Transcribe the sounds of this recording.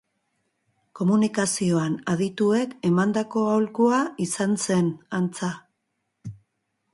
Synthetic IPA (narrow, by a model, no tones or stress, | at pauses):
ko̞munikasio̞anaðit̪ue̞ke̞mand̪ako̞awlkuaisanse̞nant͡sa